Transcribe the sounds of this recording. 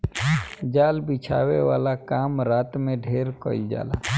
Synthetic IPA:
d͡ʒaːlbit͡ʃʰa̰ːweʋaːlakaːmɾaːt̪mẽɖʱeːɾkəld͡ʒa̰ːla̰ː

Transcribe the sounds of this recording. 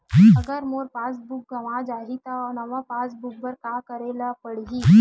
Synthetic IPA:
əɡəɾmoɾpasbuk̚ɡəʋãd͡ʒaɦit̪aɔnəʋapasbuk̚bəɾkakəɾelapəɽɡiː

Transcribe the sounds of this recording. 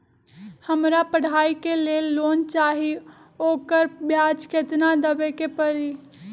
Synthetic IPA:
həmɾapəɽ̤aːikelelːoːnt͡ʃaːɦi | oːkəɾbjad͡ʒkʰeːt̪nad̪əbekepəɾi

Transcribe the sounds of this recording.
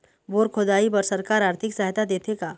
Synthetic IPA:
boːɾkʰod̪aːibɐɾsɐɾkaːɾaːɾt̪ʰɪksɐɦt̪ad̪eːt̪ʰekaː

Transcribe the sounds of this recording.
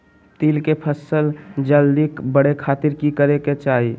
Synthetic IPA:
t̪iːlkepʰəsəld͡ʒəld̪ikbəɽekʰaːt̪ɪɾkikəɾeket͡ʃaːɦi

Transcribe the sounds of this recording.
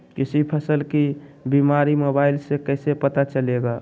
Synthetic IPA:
kɪsipʰəsəlkibimaɾimobaɪlsekəɪsepət̪at͡ʃəleɡa

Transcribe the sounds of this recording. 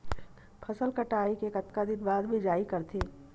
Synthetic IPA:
pʰɐsəlkɐʈaːikekɐt̪kad̪ɪnbaːd̪bʱid͡ʒaːikɐɾt̪ʰeː

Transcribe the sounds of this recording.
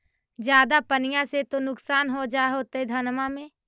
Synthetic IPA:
d͡ʒjaːd̪apənɪjãset̪onʊksaːnɦod͡ʒaːɦot̪əid̪ʱənmãmẽː

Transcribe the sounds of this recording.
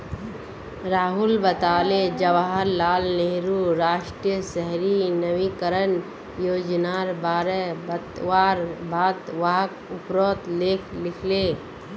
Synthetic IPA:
ɾaːɦʊlbət̪aːled͡ʒɐʋaɦəɾːaːlneɦɾuɾaːʃʈɾijəsɛɦɾinəwikəɾən | joːd͡ʒnaːɾbaːɾebət̪ʋaːɾbʱaːt̪ʋaːkʊpɾoːt̪leːkʰlɪkʰleː

